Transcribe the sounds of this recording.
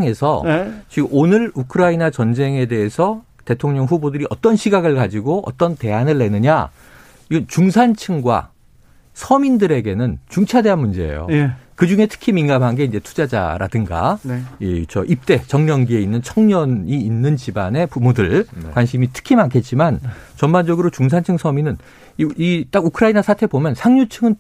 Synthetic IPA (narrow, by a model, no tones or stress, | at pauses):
ŋe̞sʰʌt͡ɕiɡɯmonɯɾukʰɯɾainat͡ɕʌnd͡ʑe̞ŋe̞de̞esʰʌ | te̞tʰoŋɲʌŋɸubodɯɾiʔʌ̰t͈ʌnɕʰiɡaɡɯɭkad͡ʑiɡoʌ̰t͈ʌnte̞ɦanɯɭːe̞nɯɲa | iɯt͡ɕuŋsʰant͡ɕʰɯŋɡwa̰ | sʰʌmindɯɾe̞ɡe̞nɯnt͡ɕuŋt͡ɕʰade̞anmund͡ʑe̞ḛjo̰kɯd͡ʑuŋe̞tʰɯ̥kʰiminɡamɦaŋɡe̞ind͡ʑe̞tʰu̥d͡ʑad͡ʑa̰ɾa̰dɯŋɡa̰it͡ɕʌ̰ʔip̚t͈e̞t͡ɕʌŋɲʌŋɡie̞inːɯnt͡ɕʰʌŋɲʌniːnːɯnt͡ɕibane̞pumodɯɭkwanɕʰimitʰɯ̥kʰimankʰe̞t̚t͡ɕ͈imant͡ɕʌnband͡ʑʌɡɯɾot͡ɕuŋs̬ʰant͡ɕʰɯŋsʰʌminɯn | it͈aɡukʰɯɾainasʰatʰe̞bomjʌnsʰaŋɲut͡ɕʰɯŋɯn